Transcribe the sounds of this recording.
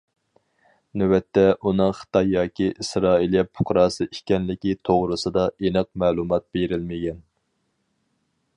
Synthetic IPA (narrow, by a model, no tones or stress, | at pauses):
nywɛt̪ʰːɛʔunɨŋχə̥t̪ɑjːɑːkʲʰiʔisɾɑːiljɛpʰʊ̥qɾɑːsɨikʲɛnlɪkʲit̪ʰoʁɾɨsɨd̪ɑʔenɨq̚mɛːlˠumɑt̪̚b̥eɾɪlmɪɡʲɛn